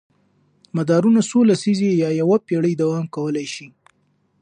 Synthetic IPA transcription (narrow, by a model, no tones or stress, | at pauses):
mad̪ɑɾunasolasizeejɑjawapeɽəjd̪awɑmkawəlajʃi